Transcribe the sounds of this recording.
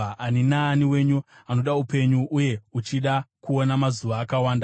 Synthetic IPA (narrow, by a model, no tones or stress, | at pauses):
aninaːniwe̞ɲuano̞ɗaupe̞ɲuʔuje̞ut͡ʃiɗakuo̞namazuʋaːkawaːnda